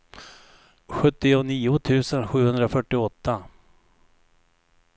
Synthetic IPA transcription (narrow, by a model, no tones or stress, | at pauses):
ɧɵt̪ːɪʊniːʊt̪ʰʉ̟ːsənɧʉ̟ːhɵnd̪ɾafœʈːɪɔt̪ʰːa